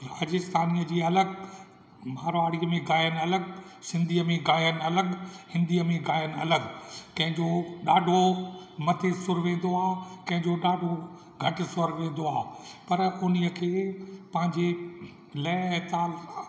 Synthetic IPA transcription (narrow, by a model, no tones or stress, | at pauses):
ɾaːd͡ʑɪst̪ʰaːniːəd͡ʑiːɐləɡ | maːɾʋaːɽiəmẽɡaːjən̆ɐləɡsɪ̃nd̪ʱiəmẽɡaːjənɐləɡhɪ̃nd̪ʱiəmẽɡaːɪənɐləɡkɐ̃ɦɪ̃ɲd͡ʑoɗaːɖʱomɐt̪ʰesʊɾʋẽːn̆d̪oaːɦkɐ̃ɦɪ̃ɲd͡ʑoɗaːɖʱo | ɡʱɐʈɪsʊɾʋẽːn̆d̪oaːpɐɾʊniəkʰeːpɐ̃ɦɪ̃ɲd͡ʑe | lɐɪt̪aːl